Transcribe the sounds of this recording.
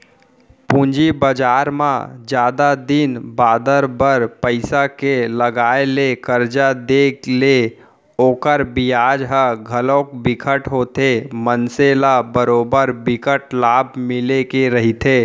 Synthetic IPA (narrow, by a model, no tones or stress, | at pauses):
pũːɲd͡ʒibəd͡ʒaːɾmã̰d͡ʒjaːd̪ad̪ɪnbaːd̪əɾbəɾpəɪsakeləɡaːelekəɾd͡ʒad̪eːkle | oːkəɾbɪjaːd͡ʒɦəɡʱəlõːkbɪkʰəʈɦoːt̪emənselabəɾoːbəɾbɪkəʈlaːbʱmɪlekeɾɐɦit̪ʰeː